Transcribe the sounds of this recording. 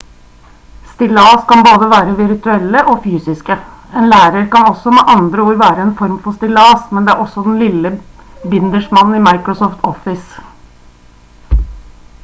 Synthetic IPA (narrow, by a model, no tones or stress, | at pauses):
st̪ɪlɑːskɑnboːd̪əʋæːɾəʋɪɾt̪ʉɛlːəʔɔfyːsɪskə | eːnlæːɾəɾkɑnɔsːɔmɛːʔɑnd̪ɾəuːɾʋæːɾəɛnfɔɾmfɔst̪ɪlɑːsmɛnd̪ɛæɾɔsːɔd̪ɛnlɪlːə | bɪnd̪əʂmɑnn̩ɪmɑɪkɾɔsɔːft̪ʰɔfɪs